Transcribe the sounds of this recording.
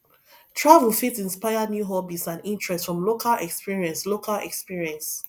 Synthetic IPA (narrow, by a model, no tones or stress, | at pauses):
tʰɹavulfitĩnspaɪanjuɦɔbisãnĩntɹɛstfɹɔ̃mlokʰalɛkspiɹiɛ̃nslokʰalɛ̰kspiɹiɛ̃ns